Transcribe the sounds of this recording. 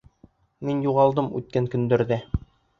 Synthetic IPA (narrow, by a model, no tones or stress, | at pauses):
minjuʁɑlˠd̪ɤmʉ̰t̪̚kæŋkɵ̆nd̪ɵ̆ɾðæ